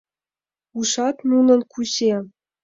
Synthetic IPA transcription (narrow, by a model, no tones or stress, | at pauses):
uʂɑt̪nunɤ̆nkʰuɕe